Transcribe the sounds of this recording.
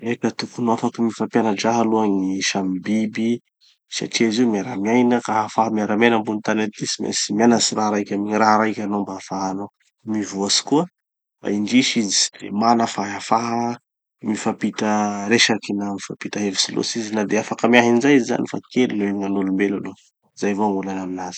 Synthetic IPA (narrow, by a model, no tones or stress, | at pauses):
ekat̪ukunuafakəmifampjanad͡ʒaɦaluaŋiʃambibi | sa̰ʈ͡ʂiaziumiaɾamiajnəkaafaɦəmiaɾamenambunit̪anant̪isimḛsimianasiɾaɦɾajkʲamiiraɦɾajkʲanombaːfaɦano | mivuasi̥kuə | ba̰iɳd͡ʒiʃizi̥d̪̥ḛmanəfaɦafaɦə | mifapit̪əɾeʃakinamifapit̪əɦevi̥silo̰sizinad̪eafakəmiaɦinzajiziza̰nifa̰kelunoemiŋanolumbelalo | zajvoaŋulanaminaz̥i̥